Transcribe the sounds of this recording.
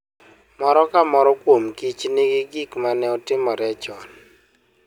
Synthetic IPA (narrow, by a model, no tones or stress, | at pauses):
mɔɾɔkamɔɾɔkwomkit͡ʃnɪɡɪɡikmanɛɔtɪmɔɾɛt͡ʃɔn